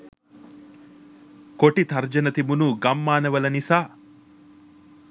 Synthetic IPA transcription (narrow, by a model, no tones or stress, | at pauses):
koʈit̪ʰɐɾd͡ʒɐnɐt̪imunuɡɐmːaːnɐʋɐlɐnisaː